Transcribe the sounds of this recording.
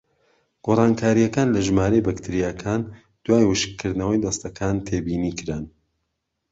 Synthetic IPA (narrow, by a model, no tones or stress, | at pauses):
ɡ̥oːrˤɑːnkʰaːɾijɐkaːnlɐʒmaːɾejbɐkt̪ʰɨɾijakʰaːn | d̪̥waːjwɨʃkʰːɨɾd̪nɐwɐjd̪ɐst̪ɐkʰaːnt̪ʰebiːniːkʰɨɾan